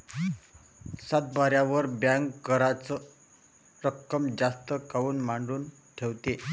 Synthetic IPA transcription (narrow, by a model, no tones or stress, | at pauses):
sat̪̚baɾjãʋəɾbjãŋɡkəɾat͡sə | ɾəkːəmd͡zast̪əkauːnmaɳɖuːn | ʈʰeʋt̪e